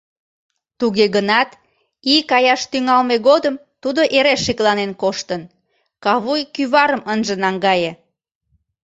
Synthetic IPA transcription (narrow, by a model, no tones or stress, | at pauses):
t̪uɣeɣənɑt̪ | ikɑjɑʃt̪yŋɑlmeɣod̪əm | t̪ud̪oʔeɾeʃːiklɑnenkoʃt̪ən | kɑβujkyβɑɾəmənʒə̆nɑŋɡɑje